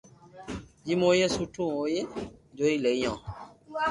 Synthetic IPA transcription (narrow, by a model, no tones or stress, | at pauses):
d͡ʒimojesutũojed͡ʒoilejɔ̃